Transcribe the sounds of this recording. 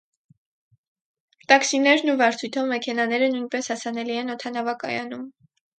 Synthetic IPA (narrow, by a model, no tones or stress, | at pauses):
t̪ɑksinɛɾnuvɑɾt͡sʰujt̪ʰɔvmɛkʰɛnɑnɛɾənujnpɛshɑsɑnɛliɛnɔt̪ʰɑnɑvɑkɑjɑnum